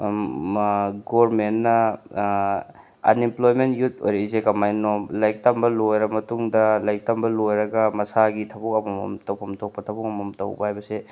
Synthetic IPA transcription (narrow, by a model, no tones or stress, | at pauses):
ɡoɾmenːɐ | ɐ̰nimplojmentjut̚ʰo̰jɾɐizekɐmajnolajk̚tɐmbɐlojɾɐmɐtuŋdɐlajk̚tɐmbɐlojɾɐɡɐmɐsaɡitʰɐbukɐmɐmɐ̰mtɐwpʰɐmtʰok̚pɐtʰɐbukɐmɐmtɐ̰wbɐɦajbɐse